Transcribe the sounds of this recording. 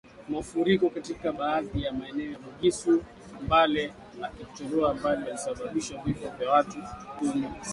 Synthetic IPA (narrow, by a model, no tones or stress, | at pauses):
maufuɾikɔkatikaɓaːðijamaɛnɛɔjamuɡisu | ambalɛ | akiu̥tɔlɔambalianisaɓaɓiʃavifɔvjawatukumi